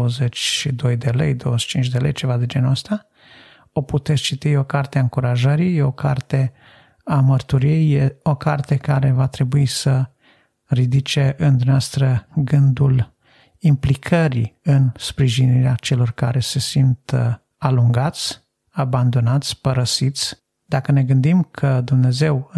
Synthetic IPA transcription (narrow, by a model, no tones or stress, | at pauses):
əzet͡ʃʲʃid̪o̞jd̪e̞lḛjd̪o̞wəet͡ʃint͡ʃd̪elejt͡ʃe̞vad̪e̞d͡ʒe̞nuəst̪a | o̞put̪e̞t̪st͡ʃit̪ijeo̞kart̪eaɨŋkuɾaʒəɾije̞o̞kart̪e̞ | amərt̪uɾijejeo̞kart̪e̞kaɾe̞vat̪ɾe̞buisə | rid̪it͡ʃe̞ʔɨnd̪umneast̪ɾəɡɨnd̪ul | implikʰəɾḭɨnspɾiʒiniɾeat͡ʃe̞lo̞rka̰ɾe̞se̞sint̪ | aluŋɡat̪sʲ | aband̪o̞nat̪sʲpəɾəsit̪sʲ | d̪akəne̞ɡɨnd̪imkʰəd̪umne̞ze̞w